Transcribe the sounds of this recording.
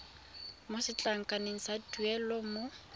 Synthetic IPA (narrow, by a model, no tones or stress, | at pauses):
mʊsɪt͡ɬʼaŋ̩kʼaneŋ̩saduɛlɔmo